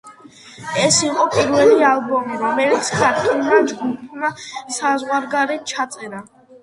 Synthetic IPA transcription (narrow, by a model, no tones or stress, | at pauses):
ɛsiqʼɔpʼiɾwɛlialˠbɔmiɾamɛlit̪skʰʼaɾt̪ʼɔnmad͡ʒɡupʰmasazʁwaɾɡaɾɛt̪̚t͡ʃʰat̪sʼɛɾa